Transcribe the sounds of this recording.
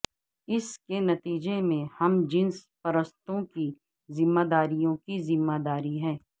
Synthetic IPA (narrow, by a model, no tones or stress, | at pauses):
ɪskenɐt̪iːd͡ʒemẽhɐmd͡ʒɪ̃nspɐɾəst̪õki | zɪmːaːd̪aːɾijõkizɪmːaːd̪aːɾiɦɛ̃ː